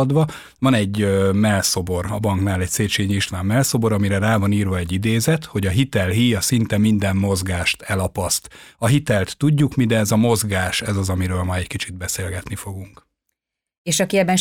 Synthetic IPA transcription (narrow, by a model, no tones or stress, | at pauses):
d̪ʋɒ | vɒnɛɟːømɛlso̞bo̞rɒbɒŋknaːlɛcseːt͡ʃeːɲiʃlaːmːɛlso̞bo̞ɾɒmiɾɛraːvɒniːrvɒɛɟːid̪eːzɛt̪ho̞ɟɒɦit̪ɛlɦiːjɒsint̪ɛmind̪ɛmːo̞zɡaːʃt̪ɛlɒpɒst̪ɒɦit̪ɛlt̪ːuɟːukmid̪ɛzɒmo̞zɡaːʃɛzɒzɒmiɾøːlmɒɛckit͡ʃid̪̚bɛseːlɡɛt̪nifo̞ɡuŋk | eːʃɒkiɛbːɛn